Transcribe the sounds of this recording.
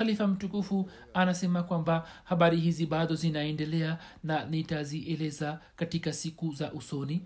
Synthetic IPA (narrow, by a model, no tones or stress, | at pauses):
alifam̩tukufu | anasɛmakwambahaɓaɾihiziɓaɗɔzinaɛndɛlɛananitaziʔɛlɛzakatikasikuzaʔusɔni